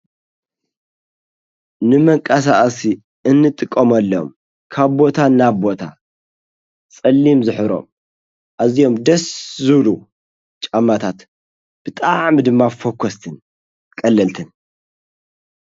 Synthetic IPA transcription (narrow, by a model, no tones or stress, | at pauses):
nɨmɐŋkʼɐs̬aʔsi | ɨnːɨt̪ʼɨkʼːomɐlːom | kʰaβbo̞t̪ʰanaβbo̞t̪ʰa̰ | t͡sʼɐlːimzɨħɾo̞̰m | ʔazijo̞md̪ɐszɨβlu | t͡ʃʼamːat̪ʰat̪ | b̥ɨt̪ʼaʕmɨd̪ɨmːafokʰːost̪ʰɨn | kʼɐlːɐlt̪ʰɨn